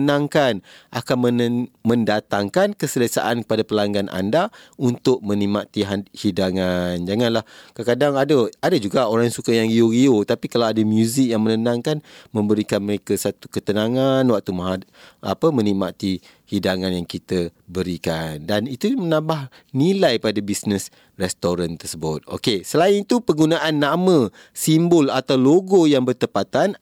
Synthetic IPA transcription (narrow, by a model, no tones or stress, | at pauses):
nãŋkanʔakanmənmə̃ndat̪aŋkankəsələsa̰ʔankəpadapəlaŋɡanʔa̰ndaunt̪ʊk̚mə̃nimat̪iɦahidaŋand͡ʒaŋanlahkəkadaŋadəadad͡ʒuɡaoɾaŋsukajaŋioɣiot̪apikalawadamjuzɪk̚jaŋmənənãŋkanmə̃mbəɾikanməɾekəsat̪ukət̪ənaŋanwak̚t̪umaɦaa̰pəmə̃niʔmat̪i | hidaŋanjaŋkit̪əbəɾikandanit̪umənãmbah | nilajpadabisnəs | rɛst̪oɾant̪ərsəbʊt̪̚o̰kesəlainit̪upəɡunaʔanːamə̃ | simbʊlat̪awloɡojaŋbərt̪əpat̪an